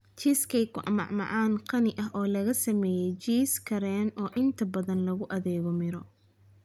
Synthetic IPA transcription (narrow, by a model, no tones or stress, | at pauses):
t͡ʃiskʰɛjkʰʊʔɐ̰mɑ̰ʕmɑ̰ʕaːnqɑnɪʔɐɦʔɔːlɐɣɐsɐmɛːjɛjt͡ʃiːskʰɐɾɛːnɔːʔɪnt̪ʰɐbɐðɐnlɐɣʊʔɐðɛːɣɔmɪɾɔ